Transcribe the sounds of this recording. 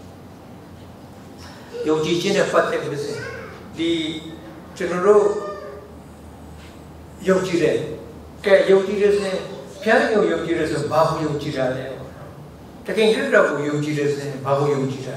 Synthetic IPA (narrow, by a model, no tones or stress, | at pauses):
jõʊ̃ɲt͡ɕid͡ʑɪ̃nɛ̰pat̪ɛʔɪsʰɪ̃ | d̪i | t͡ɕənɔɾo̰ | jõɲt͡ɕiɾɛ | kɛjõʊ̃ɲt͡ɕiɾɛsɪ̃pʰɪjãnɪ̃ŋojõt͡ɕiɾɛsoɛ̃baɡojõʊ̃ɲt͡ɕiɾad̪lɛpɔ̰nɔ | təkʰẽŋkɪkdakojõɲt͡ɕiɾɛsɪ̃baɣojõʊ̃ɲt͡ɕiɾa